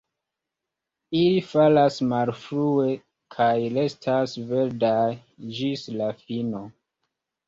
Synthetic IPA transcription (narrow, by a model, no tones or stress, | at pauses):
ilifalasmalfɾue̞ | kʰajlestʰasve̞ɾdaj | d͡ʒislafino